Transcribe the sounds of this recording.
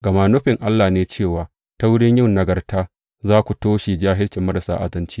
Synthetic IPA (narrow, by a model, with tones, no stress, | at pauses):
ɡɐ˨maː˨nʊ˦ɸɪ˨ŋʔa˦lːaː˨neː˨t͡ʃeː˦˨waː˨ | ta˦wʊ˦ɽɪ˦ɲjɪ˦nnɐ˨ɡɐ˨rtaː˦ | zaː˦kʷu˨toː˦ʃi˨d͡ʒaː˦ɦɪ˦lt͡ʃɪ˨mːɐ˦ɾsa̰ː˦ʔa̰˨zɐ˦nt͡ʃiː˦